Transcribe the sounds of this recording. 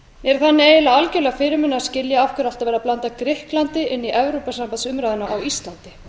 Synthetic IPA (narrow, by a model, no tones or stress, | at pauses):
mjɛɾ̥θanːɪeːjɪlaalcœlɛɣafɪːɾʏmʏnːascɪljaafkʰʏɾal̥t̪avɛːɾaplant̪akɾɪhklant̪ɪʔɪnːiʔɛvɾowpasampansʏmɾajðʏnaʔawist̪lant̪ɪ̥